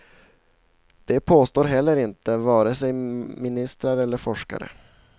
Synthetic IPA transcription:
d̪̥ɛpʰoːst̪oːɾɦɛlːəɾɪnt̪əvɑːɾəsɛjmɪnɪst̪ɾaɾəɛlːəɾfɔʂka̰ɾə̰

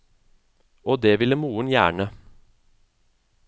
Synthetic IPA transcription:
ʔoːd̪eːʋɪləmuːənjæ̰ːɳə

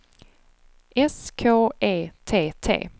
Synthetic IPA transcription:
ʔɛskʰoːeːt̪ʰeːt̪ʰḛː

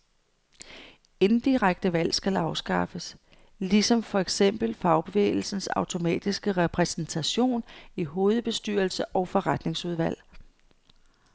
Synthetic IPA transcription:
e̝nn̩d̥iʁaɡ̥̚d̥əʋæl̰sɡ̥ælɑ̈ʊsɡ̥ɑ̈fəs | lisɒ̽mfɒ̽eɡ̥sem̰b̥l̩fɑ̈ʊb̥e̝ʋḛːɪl̩sn̩sɑ̈ʊt͡sʰo̝mɛ̰ːd̥isɡ̥əʁɛpʰʁɛsnt͡sʰæɕo̝̰ːniɦo̝ːð̞̩ˠb̥e̝sd̥y̰ːɐlsəʔɒʊfɒ̽ʁad̥ne̝ŋsuð̞ˠʋæl̰

